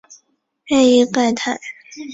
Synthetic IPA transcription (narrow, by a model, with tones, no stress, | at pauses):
ɛ˥˧i˥˧˩pa˥˧ɪt̪ʰa˥˩ɪ